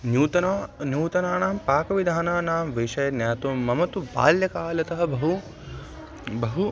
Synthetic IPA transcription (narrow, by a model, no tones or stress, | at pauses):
njuːt̪ɐnanjuːt̪ɐnaːnaːmpaːkɐʋid̪ʱaːnaːnaːmʋiʃɐjɐnjaːt̪umɐmɐt̪uba̰ːljɐkaːlɐt̪ɐɦɐ̆bɐɦu | bɐɦu